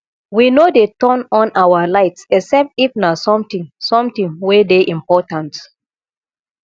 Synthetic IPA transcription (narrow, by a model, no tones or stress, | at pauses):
winodetɔ̃nɔ̃nawalaɪtsɛksɛp̚tifnasɔ̃mtĩŋsɔ̃mtĩŋwedeʔĩmpɔtãnt